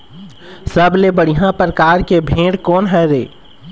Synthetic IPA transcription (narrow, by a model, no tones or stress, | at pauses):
səblebəɽiɦjãpɾkaːɾkebʱẽːɽkɔːnɦɛɾḛː